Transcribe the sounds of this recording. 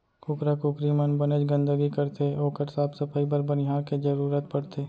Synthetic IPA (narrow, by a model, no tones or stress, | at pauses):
kʊkɾakʊkɾimənbəned͡ʒɡə̃nd̪əɡikɐɾt̪eoːkəɾsaːbsəpʰəip̬əɾbɐnɪɦaːɾked͡ʒɐɾuːɾət̪̚pɐɽt̪ʰeː